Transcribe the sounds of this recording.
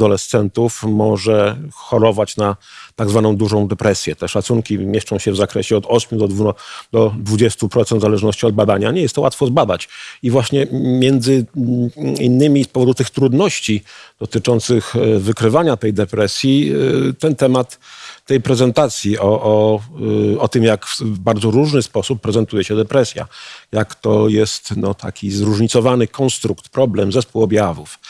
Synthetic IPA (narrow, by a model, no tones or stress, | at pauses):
d̪ɔlɛst̪sɛnt̪ufmɔʐɛxɔɾɔvat͡ɕnat̪aɡzvanɔ̃w̃d̪uʐɔ̃w̃d̪ɛpɾɛsʲjɛt̪ɛʂat̪suŋkʲimʲjɛʂt͡ʂɔ̃w̃ɕɛvzakɾɛɕɛɔd̪ɔɕmʲjud̪ɔvd̪ɔd̪vud͡ʑɛst̪upɾɔt̪sɛnt̪zalɛʐnɔɕt͡ɕiɔd̪̚bad̪aɲaɲɛjɛst̪ːɔwat̪fɔzbad̪at͡ɕivwaɕɲɛmʲjɛnd̪zɘ | inːɘmʲispɔvɔd̪ut̪ɘxt̪ɾud̪nɔɕt͡ɕid̪̥ɔt̪ɘt͡ʂɔnt̪sɘxvɘkɾɘvaɲat̪ɛjd̪ɛpɾɛsʲjit̪ɛnt̪ɛmat̪ːɛjpɾɛzɛnt̪at̪sʲjiʔɔʔː | ɔt̪ɘmjakvbaɾd̪zɔɾuʐnɘspɔsupːɾɛzɛnt̪ujɛɕɛd̪ɛpɾɛsʲja̰jakt̪ɔjɛst̪nɔt̪ʰa̰kʲizɾuʐɲit̪sɔvanɘkʰɔnst̪ɾukt̪pɾɔblɛmzɛspuwɔbʲjavuf